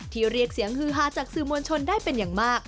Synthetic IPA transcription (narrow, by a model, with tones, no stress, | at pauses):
t̪ʰiː˥˩ɾi˥˩ək̚si˩˦əŋhɯː˧˩ɦaː˧˩t͡ɕaː˨˩k̚sɯː˨˩mu˧ənt͡ɕʰo˧ndaː˥˩jpe˧njaː˨˩ŋmaː˥˩k̚